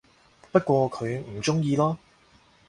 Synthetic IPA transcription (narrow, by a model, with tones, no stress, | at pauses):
pɐ˥t̚kʷɔː˧kʰɵ˨˧ɥm̩˨˩t͡ʃʊ˥ŋjiː˧lɔː˥